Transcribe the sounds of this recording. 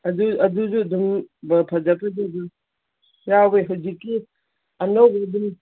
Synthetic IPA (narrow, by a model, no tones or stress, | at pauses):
ɐduɐduzuɐdumbɐpʰɐzapɐdudum | jabeɦɐwzikːi | ɐnowbedum